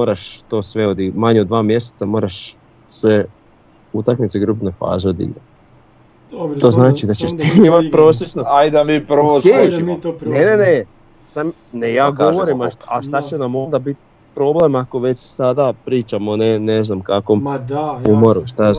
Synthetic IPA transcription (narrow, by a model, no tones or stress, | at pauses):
oːɾaʃt̪o̞ːsʋeod̪imaɲeod̪ʋaːmje̞set̪samo̞ːɾaʃ | sʋe | ut̪akmit̪seɡɾuːpno̞jfa̰ːzeod̪ḭɡɾat̪ | o̞ːznaːt͡ʃid̪at͡ɕeʃt̪iːmimat̪̚pɾo̞ːsljet͡ʃnoajd̪amipʋokenenene | sam | nejaːɡoʋoɾimaʃaʃt̪at͡ɕenamo̞nd̪abit̪̚ | pɾo̞blemako̞ʋe̞t͡ʃsad̪apɾiːt͡ʃamoneneznamkakomumoɾuʃt̪aa